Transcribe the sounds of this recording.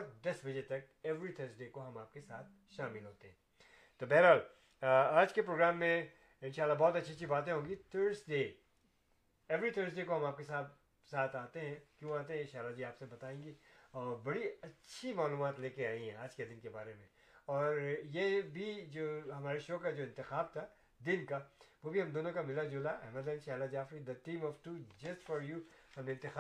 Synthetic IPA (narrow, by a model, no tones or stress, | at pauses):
ɔɾd̪ɐsbɐd͡ʒet̪ɐk̚ | ɛʋɾit̪ʰəːɾsɖeːkoɦɐmaːp̚kesaːt̪̚ʰ | ʃaːmɪlɦoːt̪eɦɛ̃ː | t̪oːbɛɦɾɦaːl | aːd͡ʒkepɾoːɡɾaːmːẽ | ɪ̃nʃaːlːabɔːt̪ɐtːʃʰit͡ʃʰibaːt̪̬ẽɦõːŋɡit̪ʰəːɾɖsɖeː | ɛʋɾit̪ʰəːɾs̬ɖeːkoɦɐ̃maːp̚kesaːt̪̚ | saːt̪ʰaːt̪eɦɛ̃kjõaːt̪eɦɛ̃ɪ̃nʃaːlːad͡ʒiaːpsebɐt̪aːẽːŋɡiɔːɾbɐɽiɐtːʃʰimaːluːmaːt̪leːkeaːĩɦɛ̰̃aːd͡ʒked̪ɪnkebaːɾemẽ | ɔːɾjebʱid͡ʒoːɦɐmaːɾeʃoːkad͡ʒoːɪ̃nt̪ɪxaːb̚t̪ʰa | d̪ɪnkaʋobʱiɦɐmd̪oːnõkamɪlad͡ʒʊlaʔɛːməd̪ɛ̃nʃaːlad͡ʒaːfɾid̪əʈĩːmɔʋʈuːd͡ʒɐsʈfɔɾjuːhɐmeɪ̃nt̪ɪx